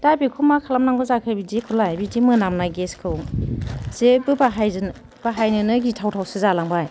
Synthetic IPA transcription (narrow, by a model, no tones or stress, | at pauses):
d̥abikʰumakʰalamnaŋɡɔzakʰɯjbidikʰɔlajbidimɯnamnaɡeskʰɯwŋz̥ebɯbaɦaj | b̥aɦajnɯnɯɡitʰawtʰawsɯzalaŋbaj